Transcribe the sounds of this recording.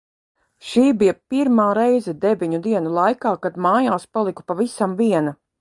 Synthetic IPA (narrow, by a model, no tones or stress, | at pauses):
ʃiːbijɐpiɾmaːɾɛjzɛd̪evʲiɲud̪iɛnulˠajkaːkad̪maːjaːspalˠiku̥pavisamviɛnɐ